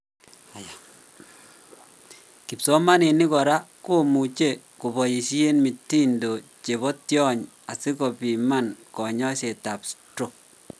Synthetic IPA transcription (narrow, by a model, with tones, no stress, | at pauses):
ki˨psɔ˦ma˦ni˨ni˦kɔ˨ɾa˦ko˦mu˨t͡ʃe˦˨ | ku˨bɔ˨ji˨ʃi˦e˦nmi˨tːi˦ndo˨t͡ʃe˨βɔ˦tjɔ˦ɲ | a˨si˦kɔ˨pi˨ma˦nkɔ˨ɲɔ˦ʃe˨ta˨pstɾo˦˨k̚